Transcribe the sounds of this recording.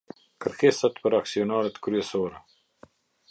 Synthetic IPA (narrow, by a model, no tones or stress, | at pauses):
kəɾkesat̪pəɾaksiɔnaɾɛt̪kɾyɛsɔɾɛ